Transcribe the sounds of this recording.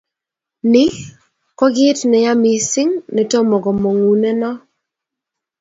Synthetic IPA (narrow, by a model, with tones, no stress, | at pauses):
nɪ˦ | kɔ˦ɡɪ˦tnɛ˨ja˦mi˨sɪ˦ŋnɛ˨to˦mɔ˨ɡɔ˨mo˨ŋu˨nɛ˦nɔ˦